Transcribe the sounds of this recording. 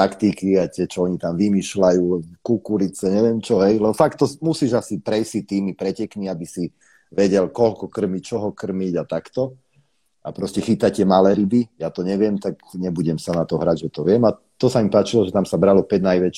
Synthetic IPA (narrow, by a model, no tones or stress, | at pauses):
akt̪ikiat̪ɪɛt͡ʃɔɔɲit̪amʋimiːʃlajuːkukuɾit͡sɛɲɛʋɪɛmt͡ʃɔɦɛjlɛbɔfakt̪ːɔmusiːʒasipɾɛjsit̪iːmipɾɛcɛkniabisi | ʋɛɟɛlkɔlkɔkr̩mic̚t͡ʃɔɦɔkr̩miɟat̪akt̪ɔ | a̰pɾɔscɛxit̪acɛmalɛːɾibijat̪ɔɲɛʋɪɛmt̪aɡɲɛbuɟɛmsanat̪ɔɦɾaɟʒɛt̪ɔʋɪɛma | t̪ɔsamipaːt͡ʃilɔʒɛt̪amsabɾalɔpɛɟnajʋɛt͡ʃ